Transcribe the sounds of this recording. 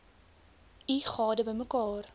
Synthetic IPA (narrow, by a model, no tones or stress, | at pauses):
iχɑːdəbəjməkɑːr